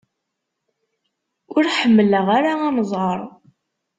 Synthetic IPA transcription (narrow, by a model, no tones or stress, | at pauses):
ʊɾħəmːələʁaɾaɑmzˤʁəɾˤ